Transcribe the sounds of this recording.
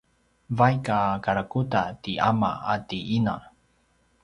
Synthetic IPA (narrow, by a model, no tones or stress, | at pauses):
vajkakaɾakutatiʔa̰ma̰atiina